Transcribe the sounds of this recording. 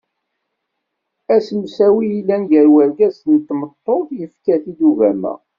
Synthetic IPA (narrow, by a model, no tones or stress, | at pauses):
æsəmsæwiilːænʝəɾwæɾɡæznt̪ːmət̪ˤːoðjəfkæθid̪uvæmæ̰